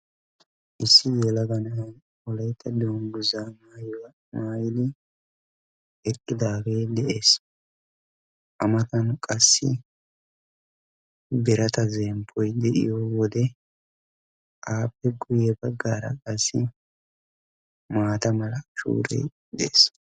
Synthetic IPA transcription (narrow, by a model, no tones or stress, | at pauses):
ʔɪsːɪjɛlɐɡɐnɐn | ɔlɐjt̪ʰːɐd̪oːŋɡʊzaːmaːjw | maːjɪlɪ | ɛkʼːɪd̪aːɡeːd̪ɛʔeːs | ʔɐmɐt̪ɐnkʼɐsːɪ | bɛɾɐt̪ɐzɛmpʰːɔjd̪ɛʔɪ̰jɔwɔd̪ɛ | ʔaːpːɛɡʊjɛbɐɡːaːɾɐ̰kʼɐsːɪ | maːt̪ɐmɐlɐʃṵːɾḛj | d̪ɛʔeːs